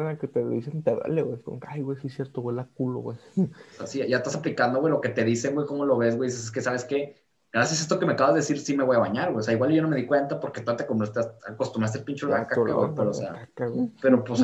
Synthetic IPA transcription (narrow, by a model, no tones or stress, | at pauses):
naket̪eisent̪eβa̰leɣwejkomokeajwejsisjeɾt̪oɣwelak̚ulo̰ɣwejseasiʝaest̪asaplikand̪o̞ɣwelo̞ke̞t̪e̞ðise̞ŋwejko̞mo̞lo̞βe̞z̬wejðises̬eskesaβeske̞ | ɡɾasjasest̪oke̞meakaβazeesiɾsime̞βo̞jaβaɲaɾɣweoseaiɣwalʝono̞meðikwe̞nt̪apoɾket̪oot̪eakomɾast̪asako̞st̪umɾas̬t̪elpint͡ʃolakaka̰wḛjpeɾoseaakawepe̞ɾopos